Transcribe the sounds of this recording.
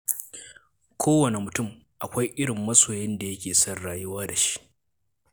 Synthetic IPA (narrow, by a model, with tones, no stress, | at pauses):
kʷʰoː˦wɐ˨ne˨mʊ˨tʊ˦mʔa˨kʷa˦jʔɪ˦ɽɪ˨mːɐ˦soː˨jɪ˦nda˨jɐ˦kʲeː˨sɐ˦˨rɽaː˨jʊ˦waː˦da˨ʃi̥˦ʔ